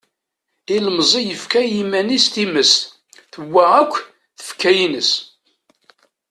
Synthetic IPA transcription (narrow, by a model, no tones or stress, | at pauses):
iləməzˤijəfkæjimænist̪iməst̪ | θəwːaʁækʷː | θə̥fkʰæjinəs